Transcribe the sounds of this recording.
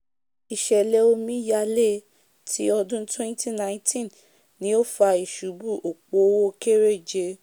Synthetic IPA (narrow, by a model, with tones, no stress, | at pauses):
i˨ʃɛ˨lɛ˧˦o˧mĩ˦ja˧le˦˨ | tʰi˨˦ɔ˧dũ˦twɛ̃˦n˦ti˦˨nã˨˦ĩ˦tĩ˦n | nĩ˦o˦fa˧i˨ʃu˨˦bu˦˨ʔo˨k͡po˨˦wo˦˧ke˦ɾe˦˨d͡ʒe˧